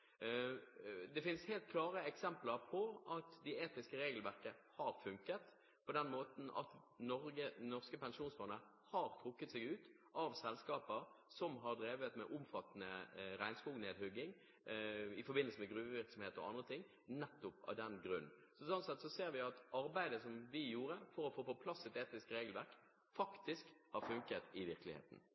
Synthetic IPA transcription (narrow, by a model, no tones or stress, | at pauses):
d̪ɛfɪnsheːlt̪̚kʰlɑːʁəɛksɛmpləɾpʰɔʔɑt̪d̪ɛeːt̪ɪskəɾeːɡəlʋæʁkəhɑɾfʉŋkət̪ | pʰɔd̪ɛnmoːt̪n̩ɑ̰t̪ | nɔɾɡənɔʁskəpɛnʃuːnsbɑnə | hɑːɾt̪ʰɾʊkːət̪sɛɡʉːt̪ | ʔɑʋsɛlskɑːpəɾsɔmɦɑʁd̪ɾeːʋət̪mɛ̰ʔʊmfɑt̪ːənəɾæɪnskuːɡneːd̪hʉɡɪŋ | ɪfɔɾbɪnəlsəmɛɡʁʉːʋəʋɪɾksɔmheːt̪ɔ̰ʔɑ̰nd̪ɾət̪ʰɪŋ | nɛt̪ːʊpɑ̰ʋd̪ɛnɡɾʉnːsɔsɔnsɛt̪sɔseːɾʋɪɑt̪ɑɾbæɪd̪əsɔmʋɪjuːɾəfɔɾɔfoːfɔpʰlɑsːɛt̪eːt̪ɪskɾeːɡəlʋæʁk | fɑkt̪ɪskhɑɾfʉŋkət̪ɪʋɪʁklɪhḛːt̪n̩